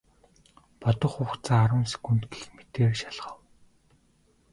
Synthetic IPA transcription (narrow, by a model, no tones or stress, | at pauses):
pɔt̪ɞ̆χuːxt͡saːaɾə̆nse̥kunt̪ɡe̥xmet̪eːrʃaɮʁə̆w